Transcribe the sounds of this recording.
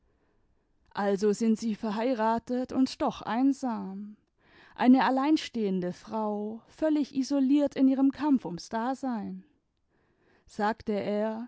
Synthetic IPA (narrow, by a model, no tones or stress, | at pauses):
ʔalzozɪntz̥iːfɛɐɦaɪʁaːtətʊ̰ntd̥ɔχʔa̰ɪnzaːm | ʔa̰ɪnəalaɪnʃteːəndəfʁ̥aʊfœlɪçʔizoliːɐtɪnʔiːʁəmkʰamfʊmsd̥aːzaɪn | z̥aːktəʔeːɐ